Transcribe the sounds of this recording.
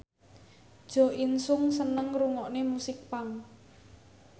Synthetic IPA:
d̥ʒ̥ɔ̤insʊŋsənəŋruŋɔʔnemusɪk̚paŋ

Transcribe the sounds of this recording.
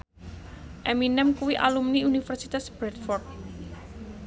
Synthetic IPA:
ʔeminɛmkuwiʔa̰lumniunifərsit̪asb̥ɾɛt̪̚fɔrt̪̚

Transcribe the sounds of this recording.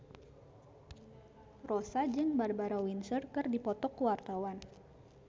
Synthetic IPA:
rosad͡ʒɨŋbarbaɾawinsərkɨrdipɔt̪ɔkuwart̪awan

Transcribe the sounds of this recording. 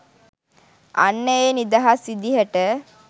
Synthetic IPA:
ʔa̰nːəenid̪aɦasid̪iɦəʈə

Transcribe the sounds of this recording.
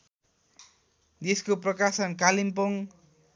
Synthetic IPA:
d̪eskoprʌkasʌnkalimpoŋ

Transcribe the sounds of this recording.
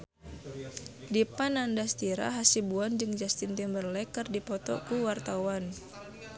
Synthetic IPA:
dipanandast̪iɾa̰ɦasibuand͡ʒɨŋd͡ʒast̪int̪imbərlɛkɨrdipɔt̪ɔ̰kuwart̪awan

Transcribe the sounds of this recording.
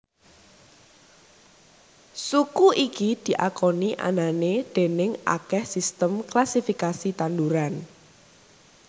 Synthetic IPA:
sukuʔikid̪̥i̤ʔakɔniʔa̰naned̪̥e̤nɪŋʔa̰kɛhsist̪əmklasifikasit̪and̪uɾan

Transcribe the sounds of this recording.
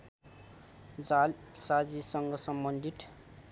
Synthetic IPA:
d͡zalsad͡zisʌŋɡʌsʌmbʌnd̪ʱit̪

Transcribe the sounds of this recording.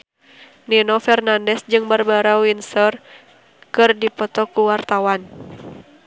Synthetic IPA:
ninɔfɛrnandɛsd͡ʒɨŋbərbaɾawinsɔr | kɨrdipɔt̪ɔkuwart̪awan

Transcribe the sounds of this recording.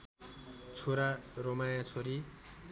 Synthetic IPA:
t͡sʰoɾaromajãt͡sʰoɾi

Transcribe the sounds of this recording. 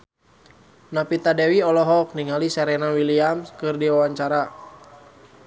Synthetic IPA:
napit̪adɛwiɔlɔɦɔk̚niŋalisɛɾɛnawiliamskɨrdiwawaɲt͡ʃaɾa

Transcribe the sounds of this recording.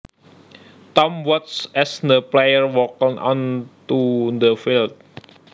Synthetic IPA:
t̪ɔmwɔt̪̚sɛsd̪əplejəɹwɔkiŋʔɔ̰̃nt̪ud̪əfilt̪̚

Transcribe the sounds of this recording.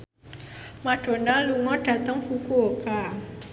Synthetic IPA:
maɖ̥o̤naluŋɔɖ̥a̤t̪əŋfukuoka

